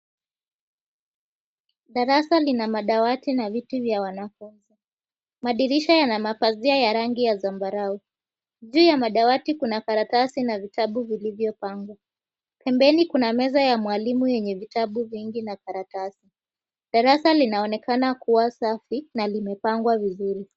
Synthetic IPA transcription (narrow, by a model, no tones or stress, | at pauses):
ɗaɾasalinamaɗawatinavituvjawanafunzi | maɗiɾiʃajanamapaziajaɾaŋɡijazambaɾau | ʄuːjamaɗawatikunakaɾatasinavitaɓuvilivjɔpaŋɡwa | pɛmbɛnikunamɛzajamwalimujɛɲɛvitaɓuviŋɡinakaɾatasi | ɗaɾasalinaɔnɛkanakuwasafinalimɛpaŋɡwavizuɾi